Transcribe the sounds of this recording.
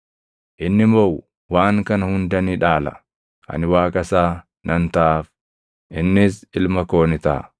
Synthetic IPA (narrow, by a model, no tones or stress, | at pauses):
ʔɪnːɪmoːw | waːŋkɐnɐhʊnd̪ɐniᶑaːlɐ̰ | ʔɐ̰nɪwaːkʼɐsaː | nʔɐnt̪aːf | ʔɪnːɪsɪlmɐko̞ːnɪt̪a̰ː